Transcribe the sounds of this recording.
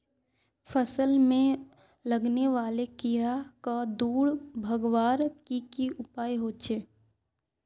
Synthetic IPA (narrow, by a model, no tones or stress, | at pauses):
pʰəsəlmẽ | ləɡneʋaːlekiɾakad̪uːɽbʱəɡʋaːɾkikiʊpaːjɦoːt͡ʃʰeː